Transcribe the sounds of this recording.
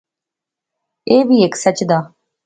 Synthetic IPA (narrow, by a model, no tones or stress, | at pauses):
eːʋiːeksət͡ʃd̪aː